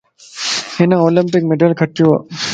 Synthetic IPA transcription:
hɪnãoːlɪmpɪk̚meɖəlkʰɐʈjuːa̰ː

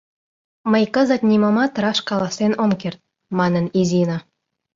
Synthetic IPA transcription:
məjkəzə̆t̪nʲimŏmɑt̪ɾɑʃkɑlˠɑsenoŋkert̪̚ | mɑnə̆nizʲino

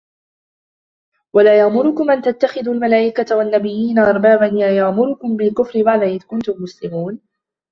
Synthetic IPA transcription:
walaːjaʔmʊɾʊkʊmʔant̪at̪ːaxɪðuːalmalaːʔɪkat̪wanːabɪjːiːnaʔɑɾˤbaːbanlaːjaʕmʊɾʊkʊmbɪlkʊfɾɪbaʕd̪aʔɪðkʊnt̪ʊmːʊslɪmuːn

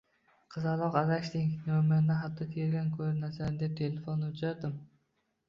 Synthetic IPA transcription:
qʰɨzalˠɒqazakʲt̪iŋkʲnomand̪aɦat̪ʰːɒt̪ʰeɾɡʲankʰɵɾnasand̪ep̚t̪ʰelefonːʊt͡ʃʰaɾd̪ɪm

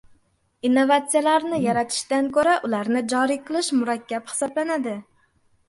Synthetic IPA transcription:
inːovat̪sijalaɾnɪjaɾat̪ʰɪ̥ʃt̪ankʰɵɾaʔʊlaɾnɪd͡ʒɒɾiqʰɨlˠɪʃmʊɾakʲʰːaphɪ̥sɒblanad̪ɪ

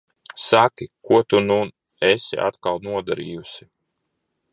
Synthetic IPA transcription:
sakʲikuɔt̪unu | ɛsḭʔa̰t̪kalˠnuɔd̪aɾḭːjusi

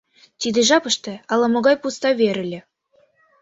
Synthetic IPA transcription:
t̪id̪eʒɑpɤʃt̪ĕɑlɑmoɣɑjpust̪ɑβʲeɾɘ̆lʲĕ

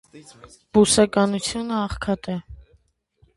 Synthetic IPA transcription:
b̥usɑkɑnut͡sʰjunəɑχkʰɑt̪ɛ

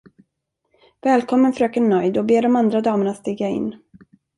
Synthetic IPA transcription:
vɛːlkʰɔmːənfœɾøːkəɳœjd̪ɔbeːɖɔmand̪ɾad̪ɑːməɳat̪st̪iːɡaɪ̰nː

